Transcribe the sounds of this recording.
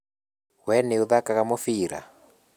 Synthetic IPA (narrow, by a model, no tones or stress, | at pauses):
wɛneuðakaɣamofiɾa̰